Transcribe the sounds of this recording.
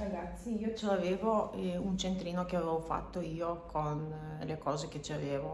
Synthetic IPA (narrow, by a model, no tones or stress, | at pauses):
ɾaɡat̪sːiiːot͡ʃeaveːvount͡ʃent̪ɾiːnokeaveɛvofa̰t̪ːoiːokʰon | lekɔːzek̟et͡ʃiaveːvo